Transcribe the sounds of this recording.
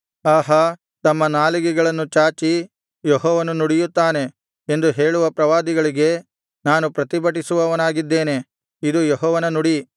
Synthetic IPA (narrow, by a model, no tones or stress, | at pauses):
aːɦɐ | t̪ɐmːɐnaːliɡɛɡɐɭɐnːut͡ʃaːt͡ʃi | jɔɦɔːʋɐnunuɽijut̪ːaːne̞ | end̪uɦe̞ːɭuʋɐpɾɐʋaːd̪iɡɐɭiɡe̞ | naːnupɾɐt̪ibɐʈ̬isuʋɐʋɐnaːɡid̪ːe̞ːne̞ | id̪ujɔɦɔːʋɐnɐnuɽi